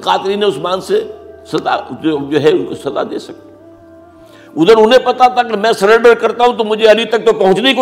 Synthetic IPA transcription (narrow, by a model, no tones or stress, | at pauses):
kaːt̪ɾiːneʊsmaːnsesɐza̰od͡ʒoːɦɛsɐza̰d̪ḛːsɐk̪̚e | ʊd̪əɾʊnẽpɐt̪at̪ʰakimɛ̃sɐɾẽɳɖəɾkɐɾt̪aɦũt̪omʊd͡ʒʱeɐlit̪ɐk̚t̪opɐɦʊ̃t͡ʃneik